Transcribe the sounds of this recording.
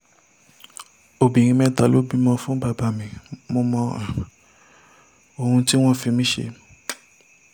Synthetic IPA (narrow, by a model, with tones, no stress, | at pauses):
o˨bĩ˨ɾ̃ĩ˧mɛ̃˧ta˨lo˨˦bi˦mɔ̃˧fũ˦ba˦˨ba˨mĩ˨mõ˧mɔ̃˧˨ | o˨hũ˧ti˦w̃ɔ̃˦˨fi˧mĩ˦ʃḛ˧